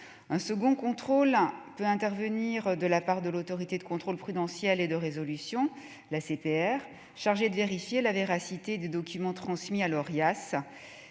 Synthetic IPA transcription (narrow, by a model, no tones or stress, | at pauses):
ɛ̃səɡɔ̃kɔ̃t̪χolpøɛ̃t̪ɛʁvəniʁd̪əlapaʁd̪əlot̪ɔʁit̪ed̪əkɔ̃t̪χolpχyd̪ɑ̃sjɛled̪əʁezɔlysjɔ̃ | lasepeɛʁ | ʃaʁʒed̪əveʁifjelaveʁasit̪ed̪ed̪ɔkʲymɑ̃t̪χɑ̃smialɔʁjas